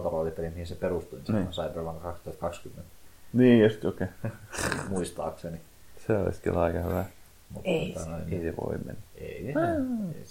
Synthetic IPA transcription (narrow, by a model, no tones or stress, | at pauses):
t̪ɑrɑlip̪ːeɾimihinseperust̪uinssɑipermɑŋɑkɑkst̪uhɑt̪kɑkskymːent̪niːjost̪joke | muist̪ɑ̰ːkseni | seo̰lḭskilɑikɑhyʋæ | mut̪ot̪ɑnoineiseʋo̰imḛnːæḛi | e